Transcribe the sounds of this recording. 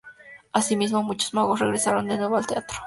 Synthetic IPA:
asimiz̬momut͡ʃozmaɣosreɣɾesaɾond̪enwe̞βoalt̪eat̪ɾo

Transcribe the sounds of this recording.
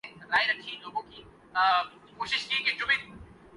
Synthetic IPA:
ɾaːiɾɐkʰːiloːɡõki | koːʃɪʃkiket͡ʃʊmẽ

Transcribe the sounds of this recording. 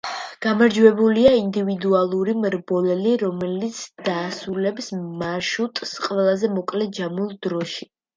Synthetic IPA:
ɡ̥amaɾd͡ʒwɛbuliaind̪ivid̪ualˠuɾimɾbɔlɛliɾɔmɛlit̪sʰd̪̥aːsulɛpsmaʃut̪ʼsqʼwɛlˠazɛmɔkʼlɛd͡ʒamulˠd̪ɾɔʃi

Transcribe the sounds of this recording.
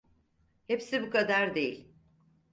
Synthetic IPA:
hepsibukad̪aɾd̪e̞jḭlʲ

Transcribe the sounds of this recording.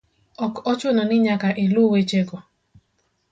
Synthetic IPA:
ɔkɔt͡ʃʊnɔnɪɲakaʔeluwet͡ʃeɡɔ

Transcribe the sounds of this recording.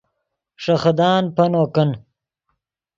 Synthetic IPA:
ʂɐxd̪aːnpɐnoːkən

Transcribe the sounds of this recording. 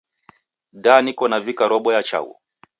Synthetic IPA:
danikɔnavikaɾɔɓɔjat͡ʃa̰wɔ̰

